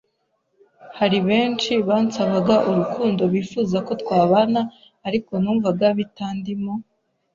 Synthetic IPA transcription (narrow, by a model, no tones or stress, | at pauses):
haɾiβe̞ːnt͡ʃiβaːnt͡saβaɡaʔuɾukʰuːndo̞βiːfuzako̞tkwaːβanaː | ɾiko̞nuːɱvaɡaβitaːndimo̞